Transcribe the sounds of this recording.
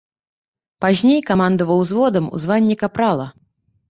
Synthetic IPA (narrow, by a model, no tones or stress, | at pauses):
pazʲnʲejkamand̪ɐvɐwzvɔd̪ɐmṵzvanʲːikapɾalˠɐ